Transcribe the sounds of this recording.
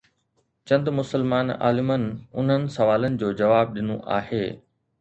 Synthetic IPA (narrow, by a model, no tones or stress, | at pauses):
t͡ɕɐ̃nd̪mʊsəlmaːna̰ːlɪmənɪʊn̤ənɪ̆sɐʋaːlənɪ̆d͡ʑoːd͡ʑɐʋaːb̚ɗɪnõ̰ʔa̰ːheː